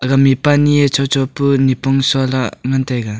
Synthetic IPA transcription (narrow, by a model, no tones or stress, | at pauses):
ɡamipaniet͡ʃʰawt͡ʃʰɔwpunipɔŋsɔlaŋantʰajɡa